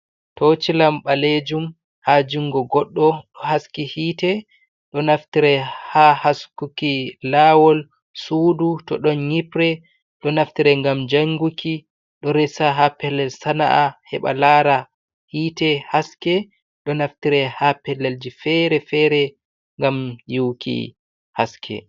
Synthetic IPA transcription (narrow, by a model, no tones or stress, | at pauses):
tot͡ʃilamɓaled͡ʒum | had͡ʒuŋɡɔɡɔɗːɔɗɔhaskihiːtɛ | ɗɔnaftiɾɛhahaskukilawɔl | sudutɔɗɔnɲipɾɛ | ɗɔnaftiɾɛŋɡamd͡ʒaŋɡukʰi | ɗɔɾɛsaɦapɛlːɛlsana̰ʔahɛ̰ɓa̰laɾa | hiːtɛhaskɛ | ɗɔnaftiɾɛhapɛlːɛld͡ʒifɛɾɛfɛɾɛ | ŋɡamjuwkʰḭ | haskʰɛ̰